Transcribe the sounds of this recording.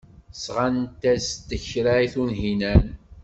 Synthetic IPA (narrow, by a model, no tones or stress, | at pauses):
sʁant̪æst̪ːəçɾaiθunɦinæn